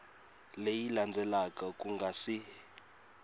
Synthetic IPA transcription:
lejiland͡zʱɛlakakʼuŋɡʱasi

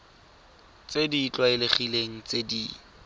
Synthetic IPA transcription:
t͡sedit͡ɬʼwaɪleχileŋ̩t͡sedi

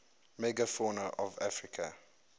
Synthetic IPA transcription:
mɛɡafɔnəʔɔvafɹɪkʰa

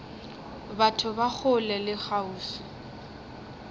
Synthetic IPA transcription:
batʰʊbak͡xʰʊlɛlɪk͡xauːsɔ̥

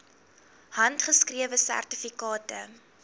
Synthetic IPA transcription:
hɐntχəskriəvəsæ̰rtifikɑːtə̰

